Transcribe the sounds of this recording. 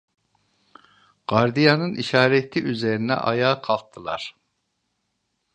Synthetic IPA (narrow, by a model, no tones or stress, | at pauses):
ɡ̥aɾd̪ijanɯniʃaːɾɛt̪ʰːiʔyzeɾinɛ̰ʔa̰jaːkʰalˠt̪ʰːɯlˠa̰ɾ̥